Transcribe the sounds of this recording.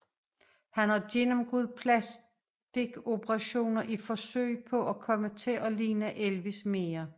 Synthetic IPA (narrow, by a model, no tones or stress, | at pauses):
hænhɑ̈ɡ̥enɒ̽mɡ̥uð̰ˠpʰlæs | d̥e̝ɡ̥o̝b̥əʁɑ̈ɕo̝̰ːnɐʔifɒ̽sø̰ɪ̰pʰɒ̽ʔækʰɒ̽mət͡sʰe̝ʔɒliːnəʔelʋisme̝ːɐ